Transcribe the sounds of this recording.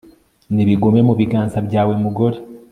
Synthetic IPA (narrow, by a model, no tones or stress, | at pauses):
niβiɡo̞me̞muβiɡaːnzabɟaːwemuɡo̞ɾe